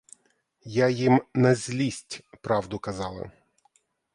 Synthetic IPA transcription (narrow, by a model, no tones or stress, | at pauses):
jajimnɐzʲlʲisʲtʲpɾɑwd̪ʊkɐzɑlˠɐ̰